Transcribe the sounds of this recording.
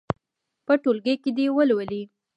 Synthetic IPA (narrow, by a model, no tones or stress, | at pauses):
pəʈolɡəjked̪ewəlwəli